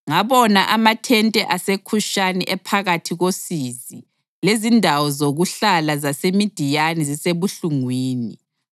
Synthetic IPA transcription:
ŋaβɔnaʔamatʰɛntʼɛʔasekʰuʃanɛʔɛpʰaɣatʰiɣosizi | lezindʱawɔzoɣuɬalazasemid̥ʱijanɛziseβuɬuŋwiːni

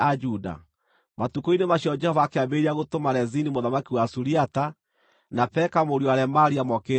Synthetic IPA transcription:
ad͡ʒuda̰ | matukoinemaɕiɔd͡ʒɛhɔvaːkeabeɾiaɣotomaɾɛzinimoðamakiwasuɾiata | napɛkamoɾiɔaɾɛmaɾiamɔke

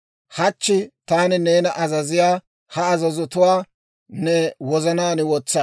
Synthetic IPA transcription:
hɐt͡ʃːɪt̪aːnɪneːnɐʔɐzɐzɪjaː | hɐɐzɐzʊt̪ʊwaː | nɛwɔzɐnaːnɪwɔt͡sːɐ

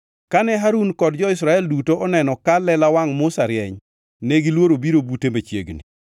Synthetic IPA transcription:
kanɛɦaɾunkɔd̚d͡ʒɔɪsɾaɛldutoʔɔnɛnɔkalɛlawaŋmʊsaɾjɛɲ | neɡilwoɾobiɾobutemet͡ʃjḛɡnḭ

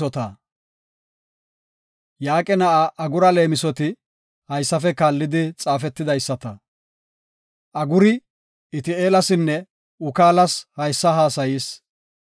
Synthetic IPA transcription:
ɔt̪ɐ | jaːkʼɛnɐʔɐʔɐɡʊɾɐle̞ːmɪsɔt̪ɪ | hɐjsːɐfɛkaːlːɪd̪ɪt͡sʼaːfɛt̪ːɪd̪ɐjsːɐt̪ɐ | ʔɐɡʊɾɪ | ɪt̪ɪeːlɐsɪnːɛ | ʊkaːlɐshɐjsːɐɦaːsɐjiːs

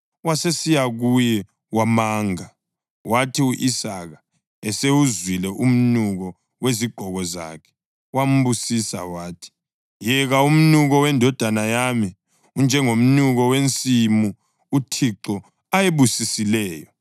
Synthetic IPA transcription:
wasesijaɣujɛ | wamaːŋa | watʰiuʔisaɣa | ɛseuzwilɛʔum̩nuɣɔ | weziɡ͡ǃ̥ʱɔɣɔza̰kʰɛ̥ | wam̩βusisa̰waːtʰi̥ | jɛɣaum̩nuɣɔwɛndʱɔd̥ʱanajami | und͡ʒʱɛŋom̩nuɣɔwent͡sʼimu | utʰiǁɔ | ajeβusisilɛːjɔ

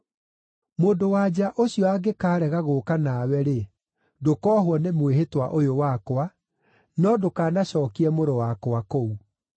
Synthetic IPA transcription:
moːndowaːd͡ʑaʔoɕiɔaɡekaːɾɛɣaɣokanawɛɾe | dokɔːɦwɔnemweɦetwaʔojowakwa | nɔdokaːnaɕɔːkiɛmoɾowakowakou

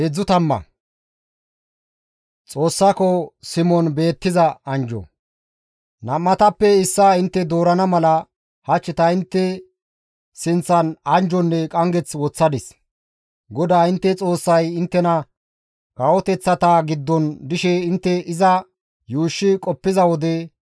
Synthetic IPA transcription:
ed͡zːʊt̪ɐmːɐ̰ | t͡sʼo̞ːsːakɔsɪmɔnbe̞ːt̪ːɪzɐɐnd͡ʒɔ̰ | nɐmːɐt̪ɐpːɛɪsːaɪnt̪ːɛd̪o̞ːɾɐnɐmɐlɐ | hɐt͡ʃːɪt̪ɐɪnt̪ːɛ | sɪnt͡sːɐnɐnd͡ʒɔnːɛkʼɐŋɡɛt͡swɔt͡sːɐd̪ɪs | ɡɔd̪aːɪnt̪ːɛt͡sʼo̞ːsːɐjɪnt̪ːɛnɐ | kɐwɔt̪ɛt͡sːɐt̪aːɡɪd̪ːɔnd̪ɪʃɛɪnt̪ːɛʔɪzɐ | juːʃːɪkʼɔpːɪzɐwɔd̪ɛ

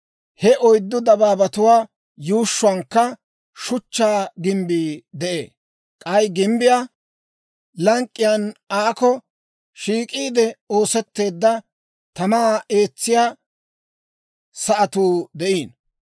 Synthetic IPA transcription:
hɛʔɔjd̪ːʊd̪ɐbaːbɐt̪ʊwaː | juːʃːʊɐŋkːɐ | ʃʊt͡ʃːaːɡɪmbiːd̪ɛʔḛː | kʼɐjɡɪmbɪjaː | lɐŋkʼːɪjɐnaːkɔ | ʃiːkʼiːd̪ɛo̞ːsɛt̪ːe̞ːd̪ːɐ | t̪ɐmaːe̞ːt͡sːɪjaː | sɐʔɐt̪uːd̪ɛʔiːn

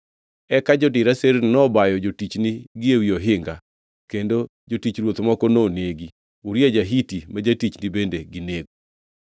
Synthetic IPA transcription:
ɛkad͡ʒɔtɪɾaseɾnɔbajɔd͡ʒotit͡ʃniɡɪewioɦɪŋɡa | kendo | d͡ʒotit͡ʃɾwot̪mɔkɔnoneɡi | uɾjad͡ʒaɦitimad͡ʒatit͡ʃnɪbendeɡɪneɡo

